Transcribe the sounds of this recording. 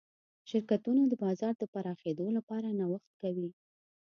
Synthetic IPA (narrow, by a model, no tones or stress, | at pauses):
ʃɪɾkat̪unod̪əbɑzɑɾd̪əpaɾɑxed̪olapɑɾanawaxt̪̚kawi